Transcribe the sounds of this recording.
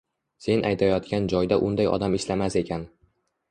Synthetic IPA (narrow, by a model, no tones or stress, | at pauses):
se̞nʔajt̪ʰajɒt̪kʲand͡ʒɒjd̪aʔʊnd̪ajɒ̰d̪amɪʃlamase̞kʲʰan